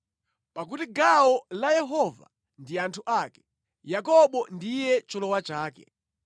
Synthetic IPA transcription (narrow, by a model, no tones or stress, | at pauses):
pak̬utiɡawɔlajɛɦɔva̰ | ndiantʰuʔakɛ̥ | jakɔɓɔndijɛt͡ʃɔlɔwat͡ʃaːkɛ̰